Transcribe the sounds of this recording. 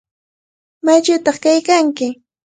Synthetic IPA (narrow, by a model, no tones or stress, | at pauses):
maʎʊt̪ɑχkajkaŋkɪ